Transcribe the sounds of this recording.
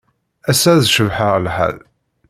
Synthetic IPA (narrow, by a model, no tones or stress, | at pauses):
æsæðʃəvħəʁlħæ̰ð